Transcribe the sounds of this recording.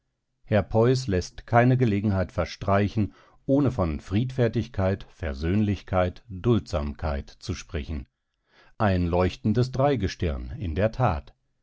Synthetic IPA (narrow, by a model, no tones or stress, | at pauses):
hɛɐpʰɔʏs̬lɛstkʰaɪnəɡəleːɡŋ̩haɪtfɛɐʃtʁ̥aɪçn̩ | ʔoːnəfɔnfʁ̥iːtfɛɐtɪçkʰaɪtfɛɐzøːnlɪçkʰaɪtd̥ʊltz̥a̰ːmkʰaɪtt͡suʃpʁ̥ɛçn̩ | ʔaɪnlɔʏçtn̩dəsd̥ʁaɪɡəʃtɪɐnɪ̰ndeːɐtʰa̰ːt